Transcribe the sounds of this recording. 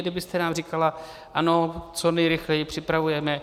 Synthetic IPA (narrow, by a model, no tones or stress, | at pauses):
dɪbɪst̪ɛnaːmrikala | ʔanot͡sonɛjɾɪxlɛjɪpr̝̥ɪpɾavujɛmɛ